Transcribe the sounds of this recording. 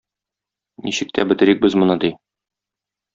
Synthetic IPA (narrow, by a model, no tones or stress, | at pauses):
niɕɘ̆k̚t̪ʰæ̰bɘ̆t̪ɘ̆ɾik̚bɘzmŏnɤd̪i